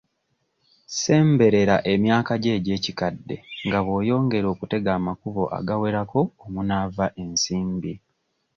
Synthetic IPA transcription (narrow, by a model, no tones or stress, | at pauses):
se̞ːmbe̞ɾe̞ɾaʔe̞mjaːkaɟe̞ːɟe̞ːcikadːe̞ŋɡaβo̞ːjo̞ːŋɡe̞ɾo̞ːkute̞ɡaːmakuβo̞ʔa̰ɡawe̞ɾako̞ːmunavaʔe̞nsiːmbi